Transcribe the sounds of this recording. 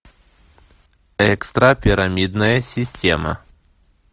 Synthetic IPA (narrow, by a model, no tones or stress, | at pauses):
ɛkst̪ɾɐpʲɪɾɐmʲid̪nəjəsʲɪsʲtʲḛmə̰